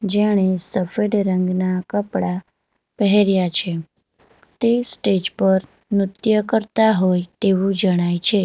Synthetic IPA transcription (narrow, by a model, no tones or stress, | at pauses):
d͡ʒeɽ̃esəfeɖɾəŋɡnakəpɽa | pəɦeɾjat͡ʃʰe | t̪esʈed͡ʒpəɾ | mɾʊt̪jəkəɾt̪aɦojt̪eʋũd͡ʒəɽ̃ajt͡ʃʰe